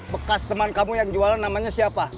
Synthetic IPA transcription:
bəkast̪əmankamujaŋd͡ʒualanːamaɲasiapa

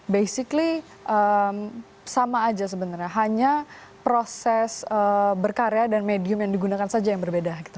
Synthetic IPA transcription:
bejsikli | ʔəm | samaːd͡ʒas̬əbənarɲaɦaɲa | pɾosɛsəbərkaɾeadanmediʊmjaŋdiɡunakansad͡ʒajaŋbərbedaki̥t̪a

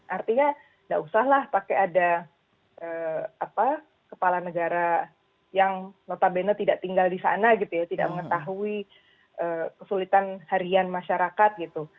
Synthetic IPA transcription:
ʔart̪iɲa | ndaʔusaɦlahpakeada | ʔəːapa | kəpalanəɡaɾa | jaŋnot̪abenət̪idaʔt̪iŋɡaldisa̰naɡit̪ujat̪ida̰ʔməŋət̪aɦui | ʔəːkəsulit̪anhaɾianmaʃaɾakat̪̚ɡit̪u

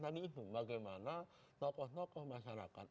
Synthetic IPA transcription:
naninuŋbaɡajmana | nɔkɔhnɔkɔhmaʃaɾa̰ka̰t̪̚

